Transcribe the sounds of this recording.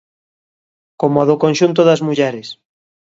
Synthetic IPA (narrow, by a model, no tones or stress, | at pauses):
komoaðokõnʃunt̪oðɐzmuʎɛɾes